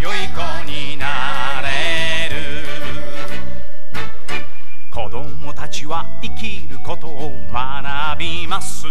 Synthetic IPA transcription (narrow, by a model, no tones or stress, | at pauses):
joikoɲ̟i | na | ɾe | ɾɯ | kʰo̞d̪o̞mo̞t̪at͡ɕiβa | ikʲiɾɯ̟ko̞t̪o̞ː | ma | na | bʲi | masɨ